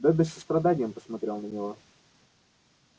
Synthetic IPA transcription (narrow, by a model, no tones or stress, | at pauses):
d̪ɛd̪əsʲəst̪ɾɐd̪anʲɪjəmpəsmɐt̪ɾʲelˠnənʲɪvo